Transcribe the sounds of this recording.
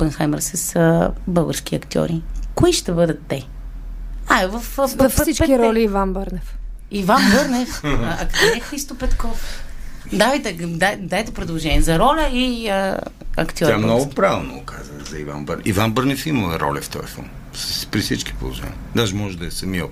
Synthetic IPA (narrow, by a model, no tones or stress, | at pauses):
pənxajmɛɾsəsəbɤlˠɡəɾsk̟iɐkt̪iɔ̰ɾikoiʃt̪ɛbɤd̪ɐt̪ːɛ | avɐfsipiɾɔlʲiivanbəɾnɛf | ivanbəɾnɛfɐkt̪iɛxɾist̪opɛt̪kɔf | d̪avijt̪ɛd̪ad̪ajt̪ɛpɾɛd̪lˠoʒɛnʲiɛzɐɾɔlʲəiəɐ̰kt̪iɔɾjiamnɔɡʊpɾavɛlˠnoʊkʰazəzɐiva̰nbə̰ivanbəɾnɛfiməlˠɛɾʔɔ̰lʲɛft̪ɔɛ̰fɔ̰n | sspɾisit͡ʃki̥po̰lˠo̰ʒɛ̰nʲid̪aʒɛmɔʒɛd̪ɐɛsɐmiə